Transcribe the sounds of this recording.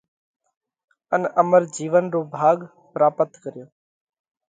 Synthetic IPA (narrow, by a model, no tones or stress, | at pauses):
ənəməɾd͡ʒiːʋənɾoːbʱaːɠ | pɾaːpət̪kəɾɪjoː